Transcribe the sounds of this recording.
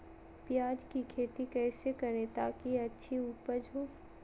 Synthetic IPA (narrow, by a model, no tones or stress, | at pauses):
pjaːd͡ʒkikʰeːt̪ikɛːsekɐɾẽt̪aːkiɐtːʃʰiuːpəɾd͡ʒʱoː